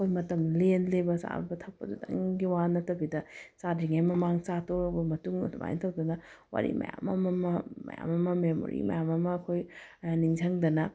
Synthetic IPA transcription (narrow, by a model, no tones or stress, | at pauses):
ɐkʰojmɐtɐmlenlebɐsa̰ɾbɐtʰɐk̚pɐ̰dudɐ̰ŋɡiwanɐtɐbidɐsadiŋajmɐmaŋt͡ʃatʰoɾɐk̚bɐmɐtuŋdma̰jntʰɐwdɐnɐ | wa̰ɾḭmɐ̰ja̰mɐmɐmɐmɐ̰ja̰mɐmɐmemo̰ɾḭmɐ̰jamɐmɐːkʰojniŋd͡ʒʰɐŋdɐnɐ